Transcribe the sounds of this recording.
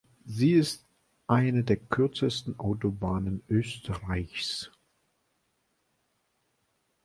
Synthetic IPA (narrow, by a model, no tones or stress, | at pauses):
ziːɪst | ʔaɪnədeːɐkʰʏɐt͡səstn̩ʔaʊtobaːnənʔøːstʰəʁaɪçs